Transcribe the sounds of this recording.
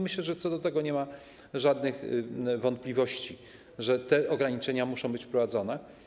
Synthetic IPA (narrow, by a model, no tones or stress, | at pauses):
mɘɕlɛʐɛt̪sɔd̪ɔt̪ɛɡɔɲɛma | ʐad̪nɘxvɔnt̪̚plʲivɔɕt͡ɕi | ʐɛt̪ɛʔɔɡɾaɲit͡ʂɛɲamuʂɔ̃w̃bɘt͡ɕfpɾɔvad̪zɔnɛ